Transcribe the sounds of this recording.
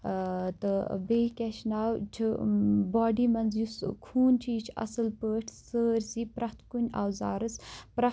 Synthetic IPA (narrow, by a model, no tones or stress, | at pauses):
t̪ɨbeːkʲeʃnaːwt͡ʃʰibaːɖiːmɐnzjuskʰuːnt͡ʃʰiːt͡ʃʰɐ̰sɨlpəːʈʰsəːɾʲsiːpɾɐht̪ʰkunʲaːwza̰ːɾɨspɾɐ